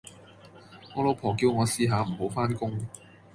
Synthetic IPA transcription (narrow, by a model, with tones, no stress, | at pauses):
ɔː˧˥lo˨˧wpʰɔː˨˩kiː˧wŋɔː˨˧siː˨˧ɦaː˨˧m̩˨˩ho˨˥wfaː˥nkʊ˥ŋ